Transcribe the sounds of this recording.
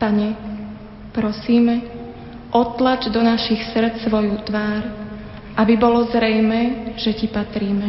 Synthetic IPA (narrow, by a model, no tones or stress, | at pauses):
paɲɛ | pɾɔsiːmɛ | ʔɔt̪lad͡ʒd̪ɔnaʃixsr̩t͡ssʋɔjut̪ʋaːɾ | ʔabibɔlɔzɾɛjmɛːʒɛcipat̪ɾiːmɛ